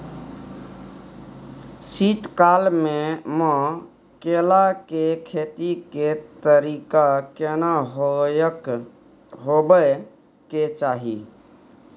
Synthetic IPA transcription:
sit̪kalmemə̃ | kelakekʰet̪iket̪əɾikakenaɦojək | ɦobə | ket͡ʃaɦi

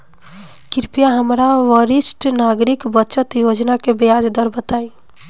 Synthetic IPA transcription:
kiɾpijaɦəmɾaʋəɾisʈnaɡɾikbəːt͡ʃət̪jod͡ʒnakebejad͡ʒd̪əɾbət̪ai

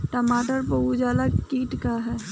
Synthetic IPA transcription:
ʈəmaːʈəɾpəud͡ʒaːlakiːʈkaɦɛː

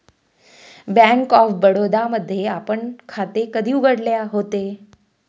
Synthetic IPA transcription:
bæ̃ŋkɔfbəɽod̪aməd̪ʱːjeapəɳkʰat̪ekəd̪ʱiːuɡəɽljaɦot̪e

